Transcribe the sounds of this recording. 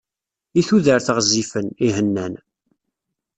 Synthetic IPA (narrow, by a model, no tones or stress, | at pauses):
iθuðəɾθəʁzːifəniɦənːæn